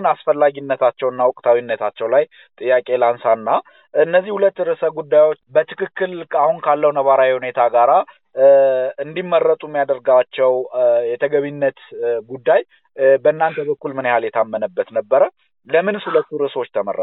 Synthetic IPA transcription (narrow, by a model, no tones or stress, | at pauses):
nasfəlːaɡinːət̪ʰat͡ʃːɛwɨnːawʊkʼt̪ʰawinːət̪ʰat͡ʃːɛwlaj | t̪ʼɨjːakʼe̞lansanːa | ɨnːəzːihulət̪ːɾɨsəɡud̪ːajwo̞t͡ʃːbət̪ʰɨkʰɨkːɨlkʰahunkʰalːəwnəβaɾawjhune̞t̪ʰaɡaɾa | ɨnd̪imːərːət̪ʼumːijad̪əɾɡaat͡ʃːɛwjɛt̪ʰəɡəβinːət̪ɡud̪ːaj | bəɨnːant̪ʰəbəkːulmɨnjhaljɛt̪ʰamːənəbːət̪nəbːəɾə | ləmɨnshulət̪ːuɾɨswo̞t͡ʃːt̪ʰəmə̰rːə̰